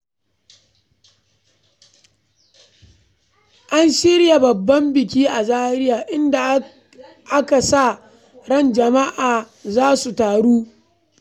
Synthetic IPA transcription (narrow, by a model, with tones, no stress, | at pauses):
ʔa˦nʃɪ˦ɾja˨bɐ˨bːɐ˦mbɪ˨kʲiː˦ʔa˨zaː˦ɾɪ˦jaː˨ʔɪ˦nda˨ | ʔa˦ka˨sa˦˨ | ɽɐ˦˨nd͡ʒɐ˨ma˦ʔaː˨ | zaː˦su˨taː˨ɽuː˦